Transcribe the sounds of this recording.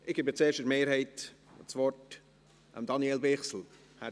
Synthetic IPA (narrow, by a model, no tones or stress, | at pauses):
ʔɪɡ̥eːbət͡seːʃtəɾmeːɾhɛɪtt͡svɔrt | ʔə̰md̥ɑnielbɪχsl̩ | hæ